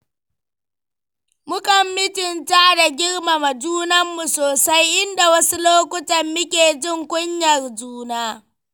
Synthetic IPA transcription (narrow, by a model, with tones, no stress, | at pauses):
mʊ˦kɐ˨mːɪ˦tɪ˨ntaː˦da˨ɡʲɪ˦ɽma˨mɐ˨d͡ʒuː˦nɐ˦mːu˨soː˨sa˦jʔɪ˦nda˨wɐ˦su˦loː˦kʷʊ˦tɐ˨mːɪ˦kʲeː˨d͡ʒɪ˦˨ŋkʷʼʊ˦ɲjɐ˨rd͡ʒuː˦naː˦